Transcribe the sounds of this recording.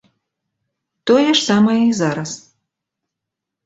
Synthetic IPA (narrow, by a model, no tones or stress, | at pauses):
t̪ɔjɛʂsamɐjɛizaɾɐs